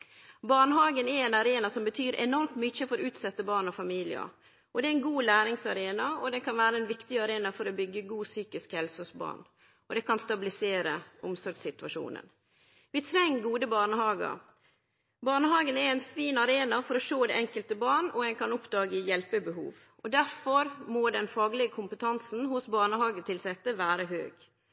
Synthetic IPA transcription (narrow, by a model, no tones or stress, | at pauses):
bɑːɳəɦɑːɡənɛɾɛnɑɾeːnɑsɔmbət̪ʰyːɾɛ̰nɔɾmt̪mʏçəfɔɾʉːt̪sɛt̪ːəbɑːɳɔfɑmiːlɪə̰ | ʔɔd̪ɛːɛnɡuːlæːɾɪŋsɑɾeːnɑɔd̪ɛnkʰɑnʋæːɾəɛnʋɪkt̪ɪɑɾeːnɑfɔɾɔbʏɡːəɡuːsyːkɪskhɛlsɔsbɑ̰ːɳ | ʔɔd̪ɛkʰɑnst̪ɑbɪlɪseːɾəʊmsɔɾɡsɪt̪ʋɑʂṵːnə̰n | ʋɪt̪ʰɾɛŋːɡuːd̪əbɑːɳəhɑːɡə̰ɾ | bɑːɳəɦɑːɡənɛɛnfiːnɑɾeːnɑfɔɾɔʂoːd̪ɛɛŋkəlt̪əbɑːɳɔɛnkʰɑnʊpd̪ɑːɡəɪjɛlpəbəɦṵːʋ | ɔd̪æɾfɔɾmod̪ɛnfɑːɡlɪɡəkʰʊmpət̪ʰɑnsn̩hʊsbɑːɳəhɑːɡət̪ʰɪlsɛt̪ːəʋæːɾəɦø̰ːɡ̥